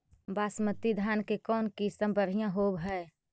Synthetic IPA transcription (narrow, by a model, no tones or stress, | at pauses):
baːsmət̪ːid̪ʱjaːnkekɔːnkisəmbəɾijãɦoːbɦɛe